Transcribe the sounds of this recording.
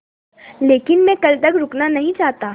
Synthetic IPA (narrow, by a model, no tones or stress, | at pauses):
leːkɪnmɛ̃kɐlt̪ɐkɾʊknanɐɦĩt͡ʃaːɦt̪aː